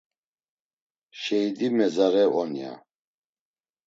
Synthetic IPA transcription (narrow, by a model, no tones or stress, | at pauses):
ʃɛid̪imɛzaɾɛɔnija̰